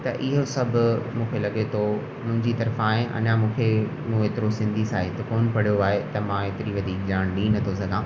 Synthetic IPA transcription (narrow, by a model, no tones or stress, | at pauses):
t̪ɐʔɪɦosɐbʱʊmũːkʰelɐɠet̪ʰo | mʊ̃ɦɪ̃ɲd͡ʑit̪ɐɾfaːɦẽʔɐ̰nãmũːkʰe | mũeːt̪ɪɾosɪ̃nd̪ʱisaːɦet̪ɐkoːnpɐɽ̤ijoaːɦet̪ɐmãeːt̪ɪɾiʋɐd̪ʱiːk̚d͡ʑaːɽ̃ɗĩːnɐt̪ʰosɐɡʱãː